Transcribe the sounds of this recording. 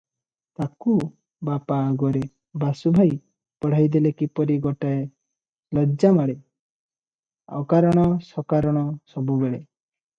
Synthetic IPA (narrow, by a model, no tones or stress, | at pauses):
t̪aku | bapaːɡɔɾe | basubʱaj | pɔɽ̤ajd̪elekipɔɾiɡɔʈae | lɔd͡ʒamaɽe | ɔ̰kaɾɔɽ̃ɔsɔkaɾɔɽ̃ɔsɔbubeɭe